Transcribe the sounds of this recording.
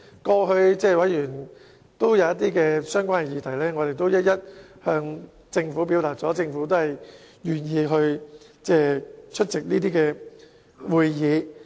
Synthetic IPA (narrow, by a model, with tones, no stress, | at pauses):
kɔː˧ɦɵ˧ɥt͡sɛː˥wɐ˨˥jjyː˨˩n | t̪o˥wjɐ˨˧wjɐ˥t̪̚iː˥kɛː˧sœː˥ŋkʷaː˥nɛ˧jiː˨˧t̪ʰɐ˨˩jlɛː˥ŋɔ˨˧t̪e˨jt̪o˥wjɐ˥t̚jɐ˥t̚hœː˧ŋ | t͡sɪ˧ŋfuː˨˥p̬iː˨˥wt̪aː˨k̚t͡sɔː˨˥t͡sɪ˧ŋfuː˨˥t̪o˥whɐ˨˩j | jyː˨˩njiː˧ɦɵ˧ɥt͡sɛː˥˩t͡ʃʰɵ˥t̚t͡sɪ˨k̚niː˥t̪iː˥kɛː˧ | wuː˨˧jjiː˨˧